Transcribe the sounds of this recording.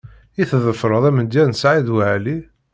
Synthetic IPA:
iθðəfɾˤəðˤæmənd̪jænsʕid̪wʕæli

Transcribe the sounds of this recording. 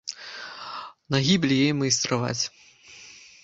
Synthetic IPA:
nɐɣʲibʲlʲijejmɨjst̪ɾava̰t͡sʲ

